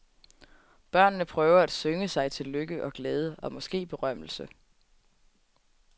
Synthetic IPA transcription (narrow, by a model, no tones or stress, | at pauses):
b̥ɶɐ̰nːəpʰʁœːʊɐæd̥søŋəsɑ̈ɪt͡sʰe̝lløɡ̥əʔɒ̽ɡ̥leːð̞ˠəɒ̽mɒ̽sɡ̥e̝̰ːb̥e̝ʁɶm̰l̩sə